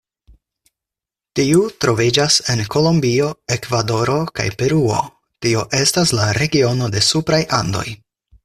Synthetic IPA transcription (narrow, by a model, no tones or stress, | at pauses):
tiutɾo̞vid͡ʒase̞nko̞lombio̞e̞kvado̞ɾo̞ka̰jpe̞ɾuo̞̰ | tio̞ʔe̞staslaɾe̞ɡio̞no̞de̞supɾajʔando̞̰j